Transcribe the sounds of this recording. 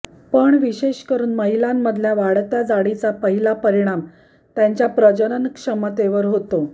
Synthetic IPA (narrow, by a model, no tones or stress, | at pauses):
pəɳʋiɕeɕkəɾuːnməɦilamːəd̪ʱljaʋaɽt̪jad͡zaɽit͡sapəɦilapəɾiɽ̃am | t̪jaɲt͡ɕjapɾəd͡ʑənənkʂəmət̪eʋəɾɦot̪o